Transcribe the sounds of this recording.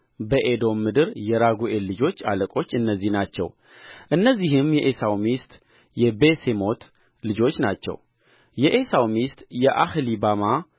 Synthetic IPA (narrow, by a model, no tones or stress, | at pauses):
bəʔed̪o̞mːɨd̪ɨɾjɛɾaɡuʔe̞lːɨd͡ʒo̞t͡ʃːa̰ləkʼo̞t͡ʃːɨnːəzːihnat͡ʃːɛ̰w | ʔɨnːəzːihɨmjɛʔesawmist̪ʼ | jɛbe̞semo̞t̪ | lɨd͡ʒo̞t͡ʃːnat͡ʃːɛ̰w | jɛʔesawmist̪ʼjɛʔahlibama